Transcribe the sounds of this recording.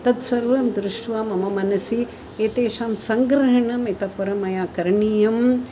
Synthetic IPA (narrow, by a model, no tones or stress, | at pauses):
t̪ɐt̪sɐɾʋɐmd̪ɾɪʂʈʋaːmɐmɐmɐnɐsi | eːt̪eːʃaːmsɐŋɡɾɐɦɐɳɐmit̪ɐkɐɾɐmɐjaːkɐɾɳijɐm